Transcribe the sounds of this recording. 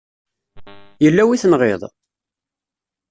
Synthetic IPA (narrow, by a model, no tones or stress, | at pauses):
jəlːæwiθənʁḛðˤ